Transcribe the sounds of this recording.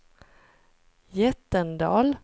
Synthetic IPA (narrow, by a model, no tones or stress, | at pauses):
jɛt̪ːənd̪ɑ̰ːl